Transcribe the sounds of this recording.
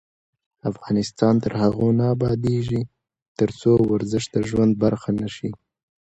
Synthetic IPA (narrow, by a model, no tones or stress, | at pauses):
afɣɑnɪst̪ɑnt̪əɾhaɣonaːbɑd̪eʒi | t̪əɾt͡sowaɾzɪʃt̪̚əʒwand̪̚baɾxanaʃi